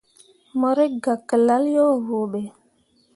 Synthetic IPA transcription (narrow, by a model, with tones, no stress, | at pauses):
mɔ˨ɾe˦ɡa˨kːə˨la˦ljo˦˨ɣo˨ɓe˨